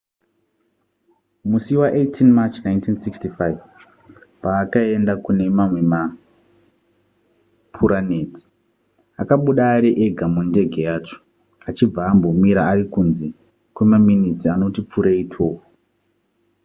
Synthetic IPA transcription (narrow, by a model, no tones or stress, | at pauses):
musiwaʔetʰinmat͡ʃnaintinsikstifaiv | paːkae̞ndakune̞mamwe̞ma | pʰuɾaneːti̥ | akaɓuɗaːɾeʔeɡʱamunde̞ɡʱe̞jaːt͡ʃo̥ | at͡ʃib͡vaːmbo̞miɾaːɾikunzi | kwemaminit͡siano̞tip͡fuɾeitʰoːko